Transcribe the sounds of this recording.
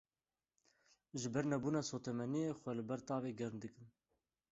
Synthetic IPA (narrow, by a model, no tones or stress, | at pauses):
ʒɨbɛɾnɛbuːnɑːsoːt̪ɛmɛnijexʷɛlɨbɛɾt̪ɑːveːɡɛɾnd̪ɨkɨn